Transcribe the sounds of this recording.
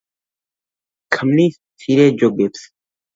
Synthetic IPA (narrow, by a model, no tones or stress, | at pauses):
kʰəmniː | sʰiːɾeːd͡ʒoɡeps